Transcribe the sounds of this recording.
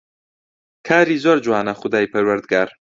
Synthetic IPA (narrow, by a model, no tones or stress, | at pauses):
kʰaːɾizoɾd͡ʒuwaːnaχʊd̪aːjpʰɐɾwɐɾd̪ɡaːɾ